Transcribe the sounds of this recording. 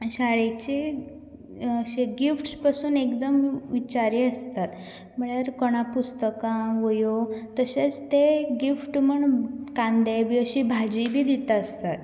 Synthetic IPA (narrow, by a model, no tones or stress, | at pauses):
ɕaɭet͡ɕe | əɕeɡifʈspasuːnekd̪əmʋit͡ɕaɾiːəst̪at̪ | m̤əɳəɾkɔɽ̃apust̪əkãʋojot̪əɕet͡st̪eɡifʈməɳkãnd̪ebiːəɕiːbʱad͡ʑibʱiːd̪it̪əst̪at̪